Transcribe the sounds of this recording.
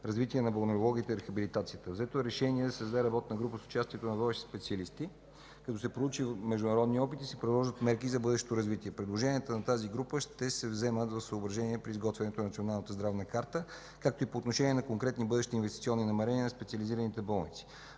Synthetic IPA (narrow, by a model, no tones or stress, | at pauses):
ɾɐzvit̪iɛnɐboɾnoɾolˠɔɡʲiːt̪ɛiɾɛxɐbilit̪at̪sijət̪əvzɛt̪oɛɾɛʃɛniɛd̪ɐsɛzd̪aɛɾɐbɔt̪nəɡɾupəsʊ̥t͡ʃast̪ʲiɛt̪onɐvɔvɛʃi̥spɛt̪siəlist̪i | kɐt̪ɔsɛpɾolˠut͡ʃimɛʒd̪ʊnɐɾɔd̪niɔpit̪isɛpɾid̪lˠɔʒət̪mɛɾkizɐbɤd̪ɛʃɛ̥t̪oɾɐzvit̪iɛpɾɛd̪lˠoʒɛnʲiət̪ənɐt̪aziɡɾupəʃt̪ɛsɛvzɛmət̪vɐfsəobɾɐʒɛniɛpɾiːzɡɔt̪vɛnɛt̪onnɐt̪sionalˠnət̪əzd̪ɾavnəkaɾt̪ə | kak̚t̪oipoːt̪noʃɛniɛnɐkoŋkɾɛt̪nibɤd̪ɛʃt̪iːnvɛst̪it̪siɔnːinɐmɛɾɛniənɐspɛtsiəliziɾənit̪ɛbɔlˠnit̪si̥